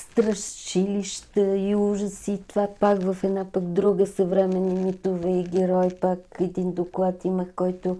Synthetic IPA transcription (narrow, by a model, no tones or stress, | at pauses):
st̪ɾəʃt͡ʃiliʃt̪əiuʒəsiːt̪vapakvəfɛd̪napəɡd̪ɾuɡəsəvɾɛmɛnimit̪ovɛiɡʲɛɾɔjpakɛd̪ind̪oklˠat̪iməxkɔjt̪ʊ